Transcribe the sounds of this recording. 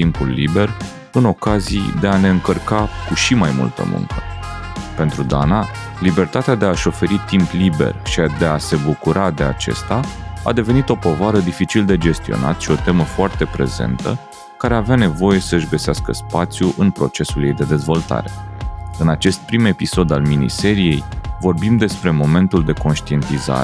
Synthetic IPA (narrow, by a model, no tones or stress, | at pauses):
t̪impulːḭbe̞r | ɨno̞kazijd̪e̞ane̞ɨŋkərkakuʃimajmṵlt̪ə̰mṵ̃ŋkʰəpe̞n̪t̪ɾud̪ana | libe̞rt̪at̪ead̪e̞aʃo̞fe̞ɾit̪implibe̞̰rʃiad̪e̞ase̞bukuɾʔad̪e̞a̰t͡ʃe̞̰st̪aa̰d̪e̞ve̞nit̪o̞po̞vaɾəd̪ifit͡ʃild̪e̞d͡ʒe̞st̪io̞̰na̰t̪ʃio̞t̪e̞məfoart̪e̞pɾe̞̰ze̞̰nt̪ə̰ | kaɾe̞aveane̞vo̞je̞səɨʒɡəseaskəspat̪sʲjuʔɨnpɾo̞t͡ʃe̞sulje̞jd̪e̞d̪e̞zvo̞lt̪a̰ɾe̞̥̰ɨnat͡ʃe̞st̪̚pɾime̞piso̞d̪alminḭse̞ɾije̞jvo̞rbimd̪e̞spɾe̞mo̞me̞nt̪uld̪e̞ko̞nʃt̪ie̞nt̪iza̰ɾ